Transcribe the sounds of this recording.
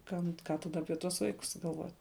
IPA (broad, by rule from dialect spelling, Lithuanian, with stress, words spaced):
ˈkɐm ˈkɑː tɐˈdɐ ˈɑːpʲiɛ tuɔs ˈʋɐɪkʊs ɡɐlˠˈʋoːtʲ